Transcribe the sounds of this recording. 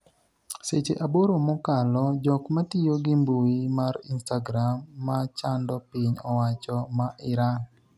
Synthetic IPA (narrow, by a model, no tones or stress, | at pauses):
set͡ʃeʔaboɾomɔkalɔd͡ʒɔkmatɪjoɡɪmbuimaɾḭnstaɡɾamːat͡ʃandɔpɪɲɔwat͡ʃɔmaʔɪɾaŋ